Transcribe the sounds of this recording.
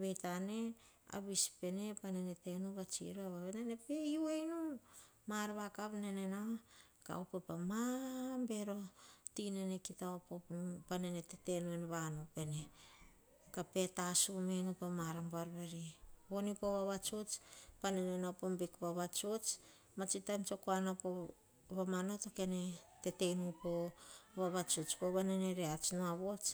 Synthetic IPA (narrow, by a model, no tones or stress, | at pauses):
βe̞jtane̞ | a̰βispe̞ne̞panene̞te̞nuβat͡ʃḭɾuaβaβenene̞pe̞juejnu | maɾβakaβnenena | ka̰upepamambe̞ɾo̞tinenekitaopopanenetete̞nuenβanupe̞ne̞ | kape̞tasumenupamaɾambaɾβeɾiβo̞nipoβaβat͡ʃot͡ʃpanenenapombikβaβat͡ʃot͡ʃ | mat͡ʃitamt͡ʃo̞koanapo | βamanotoke̞ne̞te̞te̞nupo̞βaβat͡ʃot͡ʃpoβaneneɾeat͡ʃnoaβo̞t͡ʃ